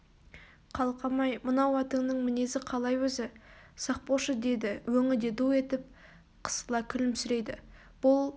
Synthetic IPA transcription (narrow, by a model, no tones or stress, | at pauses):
qʰɑlˠqʰɑmɑjmənɑwɑt̪əɴnəɴmɪne̞zɪqʰɑlˠɑjwɵzɪsɑq̚poʃəd̪e̞d̪ɪwɵŋɪd̪e̞d̪ue̞t̪ɪp̚ | qʰə̥stəlˠɑkʲʰʏlɪmsʏɾe̞jd̪ɪ̰ | b̥ʊlˠ